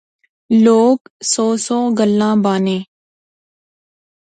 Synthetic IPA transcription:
loːksɔːsɔːɡəlːãːbaːnẽː

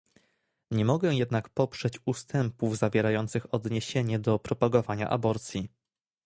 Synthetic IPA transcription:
ɲɛmɔɡɛ̃jɛd̪nakpɔpʂɛt͡ɕust̪ɛmpuvzavʲjɛɾajɔnt̪sɘxɔd̪ɲeɕeɲɛd̪ɔpɾɔpaɡɔvaɲa̰ʔa̰bɔɾt̪sʲji

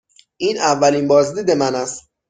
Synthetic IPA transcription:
ʔiːnʔævːælinbɒːzd̪iːd̪e̞mænæst̪

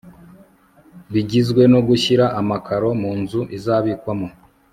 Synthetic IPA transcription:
βiɟizɡwe̞noɡuçiɾaʔamakʰaɾo̞muːnzuʔizaβiːkwamo̞

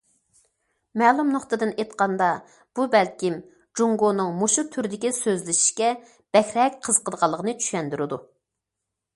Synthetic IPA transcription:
mɛːlˠumnoχt̪ɨd̪ɨnet̪qɑnd̪ɑ | b̥ubɛlkʲim | d͡ʒuŋɡonɨŋmoʃut̪ʰyɾd̪ɪkʲisøzlɪʃi̥ʃkʲɛ | b̥ɛxʲɾɛk̚ʲqʰəz̥qʰəd̪ʁɑlˠːəʁənɨt͡ʃʰy̥ʃɛnd̪yɾɪd̪u

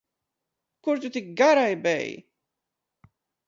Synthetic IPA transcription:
kʊɾt̪ut̪ɪk̚ɡaɾajbɛ̰j

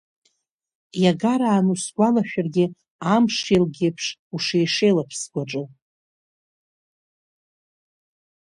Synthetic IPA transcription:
jaɡaɾaːnusɡʷalaʃᶣarɡʲɪ | amʂelɡʲepʰʂuʂejʂe̞jlapʰsɡʷaʈ͡ʂʼɨ

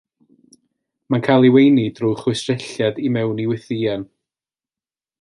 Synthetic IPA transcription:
mankʰaːlˠiwejnid̥ruːχwʊsrɪɬjadimɛwniwɪθiːan

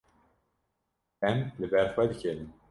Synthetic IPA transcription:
ɛmlɨbɛɾxwɛd̪ɨcʰenɨm

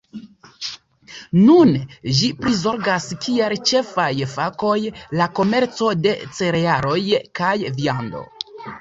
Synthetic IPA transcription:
nunʒipɾizo̞ɾɡaskielt͡ʃe̞fajfako̞jlako̞me̞ɾt͡so̞de̞t͡se̞ɾeaɾo̞jkajviando̞̰

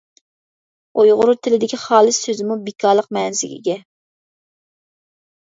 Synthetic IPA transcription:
ojʁʊɾut̪ʰɪlɪd̪ɪkʲʰiχɑːlˠɨssøzɪmubikʰɑːɾlˠəq̚mɛːnzɪɡʲḭɡʲɛ

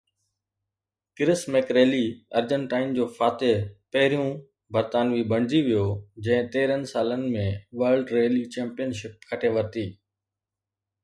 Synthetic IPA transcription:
kɪɾɪsmɛkɾeːliɐɾd͡ʑə̃ɳʈaːɪnd͡ʑoːfʰaːt̪epɐɦɪɾijũ | bəɾt̪aːnʋiːbɐ̃ɳd͡ʑ̪iʋijoːd͡ʑɐ̃ɦɪ̃t̪eːɾənɪ̆saːlənɪ̆mẽʋəːɾlɖɾeːlit͡ɕɛ̃ːmpɪjənʃɪp̚kʰɐʈʰeʋɐɾt̪iː

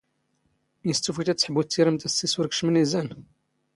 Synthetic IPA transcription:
jəst̪ːufit̪æt͡sːħəbut͡s̪ːiɾəmt̪æsiswʊɾkʃmənizæn

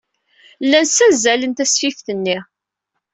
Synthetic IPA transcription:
lːænsæzælənt̪æsfifθənːi

